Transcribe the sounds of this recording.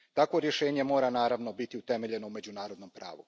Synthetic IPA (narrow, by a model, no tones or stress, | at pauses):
t̪akʋo̞ɾje̞ʃe̞ːɲe̞mo̞ːɾanaːɾaʋno̞bit̪iut̪e̞meʎe̞noume̞d͡ʑunaːɾo̞d̪no̞mpɾa̰ːʋu